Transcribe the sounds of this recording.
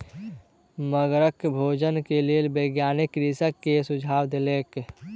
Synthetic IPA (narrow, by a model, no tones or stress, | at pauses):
məɡɾəkbʱod͡ʒənkelelbəɡjanɪkɾisəkːesud͡ʒʱaːwd̪elek